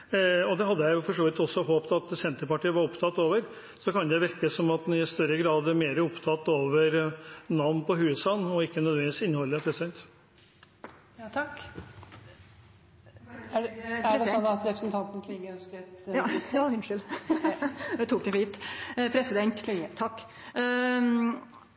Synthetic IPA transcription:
ɔd̪ɛɦɑd̪ːəjæɪʊfɔʂoːʋɪt̪ɔsːɔɦoːpt̪ɑt̪sɛnt̪əɾpɑʈiːəʋɑɾɔpt̪ʰɑt̪oːʋəɾ | sɔkɑnd̪ɛʋɪɾkəsɔmɑt̪ɪst̪œɾəɡɾɑːd̪ɛmeːɾəɾɔpt̪ʰɑt̪ːoːʋəɾnɑʋnpʰɔhʉːsɑnɔɪkːənœd̪ʋɛnʋɪsɪnːhɔlːəɾpʰɾɛsɪd̪ɛnt̪ | t̪ʰɑk | æɖɛsɔnːɑt̪ɾɛpɾəsənt̪ʰɑnt̪n̩kʰɾɪəœnskəjɑːhʉnʂʏl | d̪ɛt̪ʰuːk̚d̪ɛhiːt̪pʰɾɛsɪd̪ɛnt̪ʰɑkː

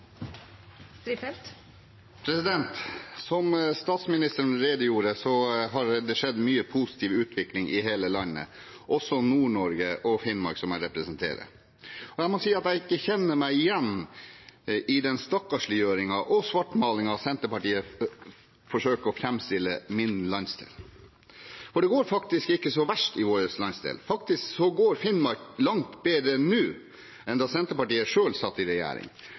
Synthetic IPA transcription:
st̪ɾiːfɛlt̪ | pʰɾɛsɪd̪ɛnt̪sɔmst̪ɑːt̪smɪnɪst̪əɾn̩ɾeːd̪əjuːɾəsɔɦɑɾd̪ɛʂɛd̪ːmyːəpʰusɪ̥t̪ʰiːʋʉːt̪ʰʋɪklɪŋʔɪɦeːləlɑnːə̰ | ʔɔsːɔnuːɳɔɾɡəʔɔfɪnmɑɾɡsɔmæɪɾɛpɾəsənt̪ʰḛːɾə̰ | ɔjæɪmɔsiːɑt̪æɪɪkːəçɛnːəmæɪɪjɛnː | ɪd̪ɛnst̪ɔkːɑʂlijøːɾɪŋɑʔɔsʋɑʈmɑːlɪŋɑɑsɛnt̪əpɑʈiːə | fɔʂøːkəɔfɾɛmst̪ɪlːəmɪnlɑnsd̪ḛːl | fɔɖɛɡoːɾfɑkt̪ɪskɪkːəsɔʋæʂʈɪʋoːɾəslɑnsd̪ḛːlfɑkt̪ɪsksɔɡoːɾfɪnmɑɾklɑŋt̪beːd̪ɾənʉː | ɛnd̪ɑːsɛnt̪əpɑʈiːəʂøːlsɑt̪ːɪɾɛjæ̰ːɾɪ̰ŋ

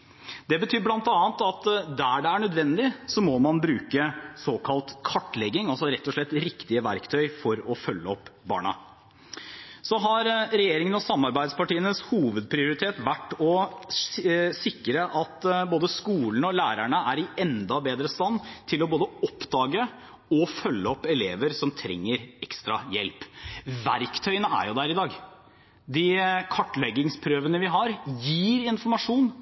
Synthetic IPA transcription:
d̪ɛbət̪ʰyːɾblɑnt̪ɑːənt̪ɑt̪d̪æɖɛæɳœd̪ʋɛnd̪ɪsɔmɔmɑnbɾʉːkəsoːkʰɑlt̪kʰɑʈːlɛɡːɪŋɑlsɔɾɛt̪ːɔʂlɭɛt̪ːɾɪkt̪ɪəʋæɾkt̪ʰœʏfɔɾɔfœlːəɔpːbɑ̰ːɳɑ̰ | sɔɦɑɾɾɛjeːɾɪŋənɔsɑmːɑɾbæɪd̪spɑʈiːənəshuːʋəd̪pʰɾɪʊɾɪt̪ʰeːt̪ʋæʈːɔ | sɪkːɾəʔɑt̪boːd̪əskuːln̩ɔlæːɾæɳəæɾɪɛnd̪ɑbeːd̪ɾəst̪ɑnːt̪ʰɪlɔboːd̪əɔpːd̪ɑːɡə | ɔfœlːəɔpːɛleːʋəɾsɔmt̪ʰɾɛ̰ŋːəɾɛkst̪ɾɑjɛ̰lpʋæɾkt̪ʰœʏənəæ̰ɾjʊd̪æɾɪd̪ɑːɡ | d̪ɪkʰɑʈːɭɛɡːɪŋspʰɾøːʋənəʋɪɦɑɾjiːɾɪnfɔɾmɑʂuːn

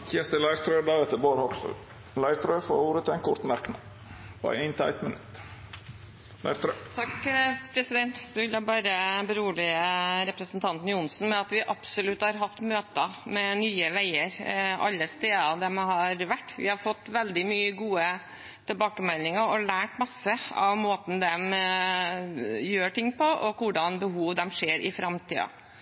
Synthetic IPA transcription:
çɛst̪əlæɪɾt̪ʰɾød̪ɑːɛt̪əboːɾhokst̪ʉ̰ː | læɪɾt̪ʰɾøːfo̰ːɾuːɾət̪ʰɪɛɪnkʰʊɾt̪mæɾknɑ̰ | pʰɔ̰eɪnt̪ʰæ̰ɪt̪mənʉ̰t̪ | læ̰ɪɾt̪ɾøt̪ʰɑkpʰɾɛsɪd̪ɛnt̪sɔʋɪljæɪbɑːɾəbəɾuːlɪəɾɛpɾəsn̩t̪ʰɑnt̪n̩jʊnsn̩mɛɑt̪ʋɪʔɑpsʊlʉt̪ːhɑɾɦɑft̪møːt̪əmɛnyːəʋæɪəɾɑ̰lːəst̪eːd̪ɑd̪ɛmɦɑɾʋæʈːʋɪ̰hɑɾfɔt̪ːʋɛld̪ɪmyːəɡuːə | t̪ʰɛlbɑːkəmɛlnɪŋəɾɔlæːʈmɑsːəɑ̰ʋmoːt̪n̩d̪ɛm | jøːʈɪŋːpʰɔʔɔkʊɖɑnbəɦuːʋd̪ɛmʂeːɾʔɪ̰fɾɑmt̪ʰḭːɑ̰

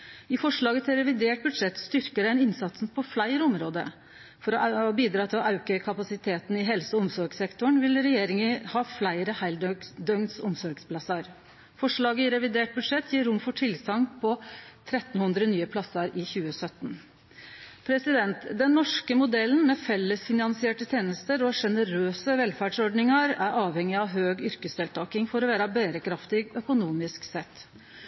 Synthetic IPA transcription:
ɪfɔʂɭɑːɡət̪ʰɪlɾɛʋɪd̪eːʈ̚bʉd̪ʂɛt̪ːst̪ʏɾkəɖæɪnɪnsɑt̪sn̩pʰɔflæɪəɾəɔmɾoːd̪ə̰ | fɔɾɔʔbiːd̪ɾɑːt̪ʰɪlɔʔɑʉkəkʰɑpɑsɪt̪ʰeːt̪n̩ɪɦɛlsɔɔmsɔɾɡsɛkt̪ʊɳʋɪlɾɛjeːɾɪŋəhɑːflæɪɾəhæɪld̪œŋsɔ̰msɔɾɡspʰlɑsɑɾ | fɔʂɭɑːɡəɪɾɛʋɪd̪eːʈ̚bʉd̪ʂɛt̪ːjiːɾʊmfɔʈʰɪlsɑŋpʰɔt̪ʰɾɛt̪nhʉnd̪ɾənyːəpʰlɑsɑɾʔɪçʉːəsœt̪ːn̩ | pʰɾɛsɪd̪ɛnt̪d̪ɛnːɔʂkəmʊd̪ɛlːən̩mɛfɛlːəsfɪnɑnsɪeːʈət̪ʰjeːnəst̪əɾɔʂɛnəɾøːsəʋɛlfæɖʂɔɖɳɪŋɑɾæɾɑːʋhɛŋːɪɑʋɦøːɡʏɾkəsd̪ɛːlt̪ʰɑːkɪŋfɔɾɔʋæːɾɑbeːɾəkʰɾɑft̪ɪɡœkʊnuːmɪsksɛt̪ː

